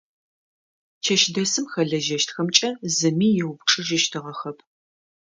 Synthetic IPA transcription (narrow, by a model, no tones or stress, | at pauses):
t͡ʃʰɐʃdɐsɨmxɐɮɐʒɐʃtxɐmt͡ʃʼɐzɨmiːjɛwpʈ͡ʂʰʼɨʒɪʃtʰɨʁɐxɐpʰ